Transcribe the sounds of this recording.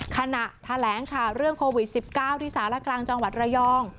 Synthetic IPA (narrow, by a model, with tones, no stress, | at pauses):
kʰa˧na˨˩ʔt̪ʰa˧lɛː˩˦ŋkʰa˨˩wɾɯ˥˩əŋkʰoː˧wi˨˩t̪̚si˨˩p̚kaː˥˩wt̪ʰiː˥˩saː˩˦wla˧˥˩klaː˧ŋt͡ɕa˧ŋwa˨˩t̪̚ɾa˧jɔː˥˩ŋ